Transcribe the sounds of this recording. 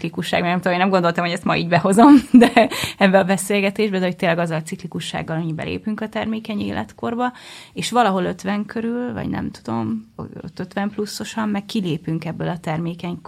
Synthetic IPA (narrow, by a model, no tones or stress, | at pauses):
klikuʃːa̰ːɡmɛɡnɛmt̪uomeːnɛmɡond̪o̞lt̪ɒmhoɛst̪mɒḭːɟbɛɦo̞zo̞md̪ɛɛbːɛɒbɛseːlɡɛt̪eːʒbɛd̪ɛɦoc̚t̪eːnlːɛɡɒzːɒlɒtsiklikuʃːa̰ːɡːɒloɲːibɛ̰lʔḛːpyŋkɒt̪ɛrmeːkɛɲḛːlʔɛ̰t̪ko̞rbɒeːʃʋɒlɒɦo̞lø̞t̪ʋɛŋkʰøɾylvɒ̰ɟnɛ̰mt̪ud̪o̞̰m̰o̰t̪ːøt̪ʋɛmplusːo̞ʃɒmːɛkːileːpyŋkɛbːølɒt̪ɛrmeːkɛɲ